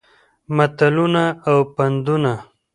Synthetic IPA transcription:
mat̪alunaawpand̪una

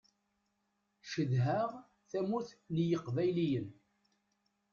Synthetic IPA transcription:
ʃəðɦəʁ | θæmuθnjəqːvæjlijən

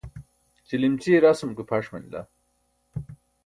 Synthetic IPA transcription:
t͡ɕilimt͡ɕiɾasumkupʰaʂmɐ̰nila̰

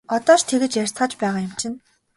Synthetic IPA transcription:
ɔt̪ɔːʃt̪ʰeɣɘ̆t͡ɕjær̥ʲt͡sχə̆ːt͡ɕpæːʁaːjʊmt͡ɕʰɪ̆n

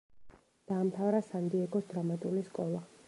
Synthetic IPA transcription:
d̪̥aːmt̪ʰavɾasand̪iɛɡɔsd̪ɾamat̪ʼuliskʼɔlˠa

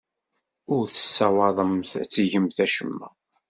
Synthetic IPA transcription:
ʊɾθə̥sːæwɑðˤəmθæt͡sːiʝəmθæʃəmːæ̰

